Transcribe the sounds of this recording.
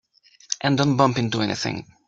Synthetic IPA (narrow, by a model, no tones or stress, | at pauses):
ʔɨ̃ndõʊ̃n̚bʌ̃mpɪ̃ntuɛnʔɪ̰θɪ̰̃ŋ